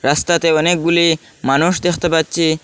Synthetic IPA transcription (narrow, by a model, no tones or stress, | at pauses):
ɾast̪at̪eɔnek̚ɡuli | manuʃd̪ekʰt̪epatːɕʰi